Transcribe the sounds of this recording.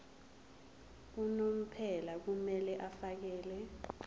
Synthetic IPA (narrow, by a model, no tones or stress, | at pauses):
k̬unom̩pʰɛlak̬umɛlɛʔafak̬ɛːlɛ